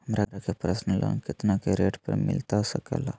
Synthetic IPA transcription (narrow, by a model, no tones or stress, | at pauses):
mɾaɾakepɾəsnəlo̰nkit̪nakeɾeʈpə̰ɾmɪ̰lt̪asəka̰la